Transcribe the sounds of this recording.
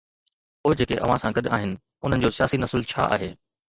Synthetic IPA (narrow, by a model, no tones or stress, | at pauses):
poːɪd͡ʑeːkeʔɐ̰ʋ̤ãsãɡɐɗɪaːɦɪnɪ̆ | ʊn̤ənɪ̆d͡ʑoːsɪjaːsinɐsɪlt͡ɕʰa̰ːʔa̰ːɦeː